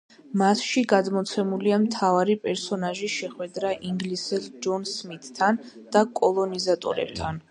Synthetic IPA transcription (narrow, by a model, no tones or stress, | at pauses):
masʃiɡad̪mɔt̪sʰɛmuliamt̪ʰavaɾipʼɛɾsɔnaʒiʃɛχwɛd̪ɾaʔiŋɡlisɛld͡ʒɔnsmit̪ʼːʰan | d̪̥akʼɔlˠɔnizat̪ʼɔ̰ɾɛ̰b̚t̪ʰan